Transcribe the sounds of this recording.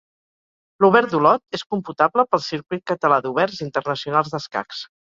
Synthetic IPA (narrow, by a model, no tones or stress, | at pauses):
luβɛɾd̪ulɔt̪̚eskumput̪abləpəlˠsiɾkwit̪̚kət̪əlaðuβɛrzint̪ərnəsiunalˠzðəska̰ks